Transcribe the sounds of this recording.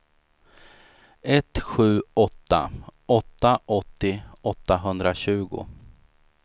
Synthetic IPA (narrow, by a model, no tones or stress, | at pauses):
ɛt̪ɧʉ̟ːɔt̪ːa̰ɔt̪ːaʔɔt̪ːɪɔt̪ːaɦɵnd̪ɾaɕʉ̟ːɡʊ̰